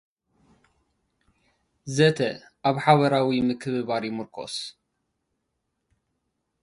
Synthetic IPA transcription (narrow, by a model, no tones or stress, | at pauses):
zɐt̪ʰɐ | ʔaβħaβɐɾawimɨkʰɨβɨβaɾjɪmɨɾkʰo̰s